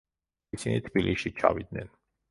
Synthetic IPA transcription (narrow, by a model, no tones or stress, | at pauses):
isinit̪ʰbiliʃit͡ʃʰa̰vid̪̚nɛn